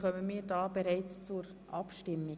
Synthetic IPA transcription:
χœməmiːɾdɑːbeɾɛɪt͡st͡sʊɾ | ʔɑpʃtɪmːi

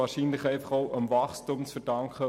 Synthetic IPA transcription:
ɑːɹʃiːnlɪχɛɪfɑχoʊʔəmvɑχstumt͡sfɛd̥ɑŋkχə

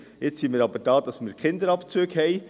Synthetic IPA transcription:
jɪt͡ssimɪːɾɑbəɾd̥ɑːd̥̪ɑsmɪːɾkχɪnd̪əɾɑpt͡søːɡhɛj

